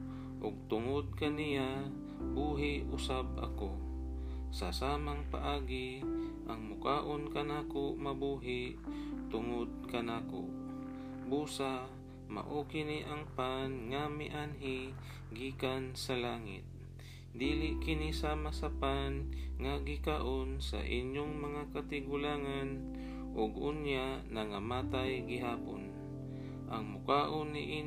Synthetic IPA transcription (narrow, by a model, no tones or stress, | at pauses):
ʔʊɡ̚t̪ʊŋod̪̚kɐnɪja | buːɦɪʔʔʊsab̚ɐ̰ko | sɐsaːmaŋpa̰ʔaːɡɪ | ʔɐŋmʊkaːʔonkɐnaːkoʔmɐbuːɦɪʔt̪ʊŋod̪̚kɐnaːko̰ʔ | buːsa | ma̰ʔokɪniʔɐŋpanŋamɪʔanɪ | ɡiːkansɐlaːŋɪ̰t̪̚ | d̪iːlɪkɪnisaːmasɐpanŋaɡɪkaʔonsɐ̰ʔɪɲjoŋmɐŋakat̪ɪɡʊlaːŋan | ʔoɡʊnjaʔnɐŋamaːt̪ajɡɪɦaːpon | ʔɐŋmʊkaːʔonːɪʔi